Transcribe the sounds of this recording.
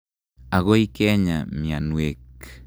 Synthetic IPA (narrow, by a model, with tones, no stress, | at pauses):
a˨ɣo˦i˦kɛɲa̰˨mia˨nwek